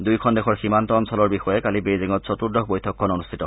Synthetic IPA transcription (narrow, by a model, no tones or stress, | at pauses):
dujkʰɔndɛxʰɔɹximantɔamsɔlɔɹbixɔjɛkalibejziŋɔtsɔtuɹdɔkbojtʰɔkʰːɔnonustʰitɔ